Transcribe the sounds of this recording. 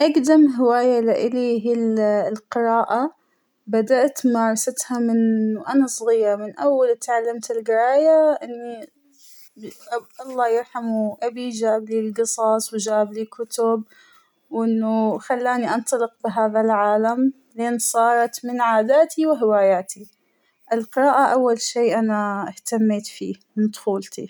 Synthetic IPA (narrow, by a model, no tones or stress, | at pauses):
ʔaɡd̪amɦɪwaːjalɪʔɪliɦillqɪɾaːʔa | bad̪aʔt̪mɑːɾˤɑsat̪hamɪnʔanasˤɣiːɾmɪnʔawːalɪt̪ʕalːamt̪ɪlɡɪɾɑːjaʔɪnːi | ʔɑlˤːɑːjɪɾˤħamuʔabid͡ʒaːblilɡɨsˤɑsˤwɪd͡ʒaːblikʰʊt̪ʊb̚ | wʔɪnːʊxalːaːniʔɑnt̪ˤɑlɪq̚bɪɦaːðalʕaːlam | leːnsˤɑːɾˤɑt̪mɪnʕaːd̪aːt̪ʰiwɪɦɪwaːjaːt̪i | ʔɪlqɪɾaːʔaʔawːalʃeːʔanaɪht̪amːeːt̪fiːmɪnd̪xuːlt̪ḭ